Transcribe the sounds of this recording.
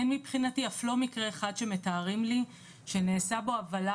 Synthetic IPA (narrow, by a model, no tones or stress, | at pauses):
enmipχinatiaflo̞mikʁeːχad̪ʃe̞metaːʁimli | ʃe̞neːsabo̞avala